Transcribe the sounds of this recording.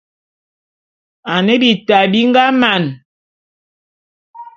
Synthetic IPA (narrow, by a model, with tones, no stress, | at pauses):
a˨ne˦bi˨ta˨bi˦ŋ˦ɡa˦ma˨n